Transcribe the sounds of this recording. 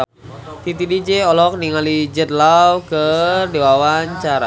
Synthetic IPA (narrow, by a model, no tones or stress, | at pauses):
t̪it̪idid͡ʒeɔlɔk̚niŋalid͡ʒət̪̚lawkərdewawaɲt͡ʃaɾa̰